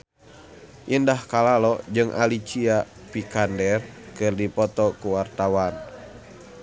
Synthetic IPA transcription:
ʔindahkalalɔd͡ʒɨŋʔa̰lit͡ʃia | pikandɛrkɨrdipɔt̪ɔkuwart̪awan

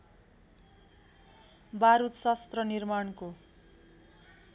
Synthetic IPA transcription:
baɾut̪sast̪rʌnirmaɳko

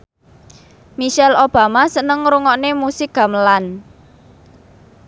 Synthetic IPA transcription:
miʃɛlob̥a̤masənəŋɾuŋɔʔnemusɪk̚ɡ̥a̤məlan

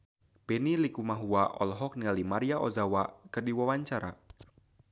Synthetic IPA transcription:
b̥ɛnilikumaɦuaʔɔ̰lɦɔk̚niŋalimaɾiaʔozawakɨrdiwawaɲt͡ʃaɾa̰

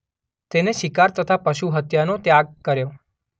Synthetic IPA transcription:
t̪eneʃikaɾt̪ət̪ʰapəʃuɦət̪janot̪jaɡ̚kəɾjo

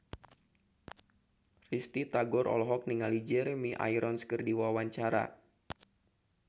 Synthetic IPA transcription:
rist̪it̪aɡɔɾʔɔ̰lɦɔk̚niŋalid͡ʒɛɾemiʔa̰jɾʔɔnskərdiwawaɲt͡ʃaɾa̰

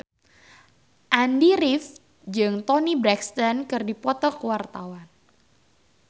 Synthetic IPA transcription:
ʔandiɾɪf | d͡ʒɨŋt̪ɔnibɾɛkst̪ankɨrdipɔt̪ɔkəwart̪awan

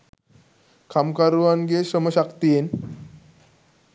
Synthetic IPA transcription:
kʰamkaɾuʋanɡeɕəməɕakt̪ien

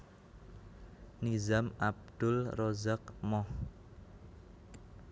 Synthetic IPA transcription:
nizamab̚d̪̥ʊlrɔzakmɔh

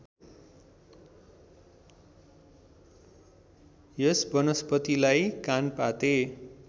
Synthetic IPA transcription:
jʌsbʌnʌspʌt̪ilajkanpat̪e

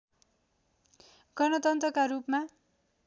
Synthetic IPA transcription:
ɡʌnʌt̪ʌnt̪rʌkaɾupma

